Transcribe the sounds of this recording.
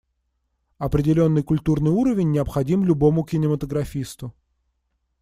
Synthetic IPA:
ɐpɾʲɪdʲɪlʲo̞nːɨjkʊlʲt̪urnɨjuɾəvʲɪnʲːɪɐpxɐdʲimlʲʊbo̞mʊkʲɪnʲɪmət̪əɡɾɐfʲist̪ʊ

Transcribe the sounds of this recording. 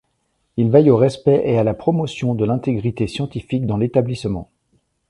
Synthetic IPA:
ilvajoʁɛspɛʔealapχɔmɔsjɔ̃d̪əlɛ̃t̪eɡʁit̪esjɑ̃t̪ifik̚d̪ɑ̃let̪ablismɑ̰̃

